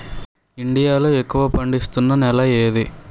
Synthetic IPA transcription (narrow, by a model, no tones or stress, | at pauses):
iɳɖijaːloːekːuʋɐpɐɳɖist̪unːɐnɛlɐeːd̪i